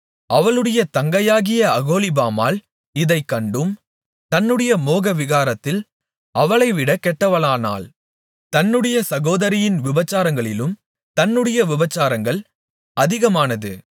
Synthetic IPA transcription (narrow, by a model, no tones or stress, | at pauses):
ɐʋɐɭɯɽɐjɐt̪ɐŋɡɐjaːɣɪjɐɐɣoːlɪbaːma̰ːl | ɪðɐɪkːɐɳɖɯm | t̪ɐnːɯɽɐjɐmoːɣɐʋɪɣaːɾɐt̪ːɪl | ɐʋɐɭɐɪʋɪɽɐkɛʈːɐʋɐɭaːna̰ːl | t̪ɐnːɯɽɐjɐsɐɣoːðɐɾɪjɪnʋɪbɐt͡ʃːaːɾɐŋɡɐɭɪlɯm | t̪ɐnːɯɽɐjɐʋɪbɐt͡ʃːaːɾɐŋɡɐɭ | ɐðɪɣɐmaːnɐðɯ̰